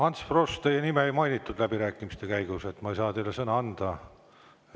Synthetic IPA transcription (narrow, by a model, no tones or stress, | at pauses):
ɑnt̪sfrost̪e̞jenimeejmɑjnit̪ːˑud̪̥læbiɾæːkːˑimist̪e̞kæjɡ̥use̞t̪ːˑmɑejsɑːt̪e̞jle̞sɤnɑɑnd̪̥ɑ